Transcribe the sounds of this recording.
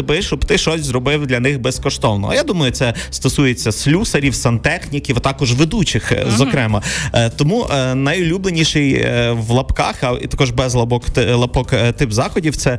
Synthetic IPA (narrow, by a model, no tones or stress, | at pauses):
bɪʃɔbt̪ɪʃɔsʲzrɔbɪwd̪lʲɐnɪxbɛskɔʃt̪ɔwnɔ̰ɐ̰jad̪umɐjʊt̪sɛst̪ɔsujet͡sʲːɐslʲusɐɾʲiwsɐnt̪ɛxnʲikʲiwt̪ɑkɔʒʋed̪ut͡ʃɪxzɔkɾɛmɐt̪ɔmuʔnɐjʊlʲublˠenʲiʃɪjʋlˠɐpkɑxɐḭt̪ɐkɔʒbɛzlˠɐbɔklˠɐpɔkt̪ɪpzɑxɔdʲiw̪sɛ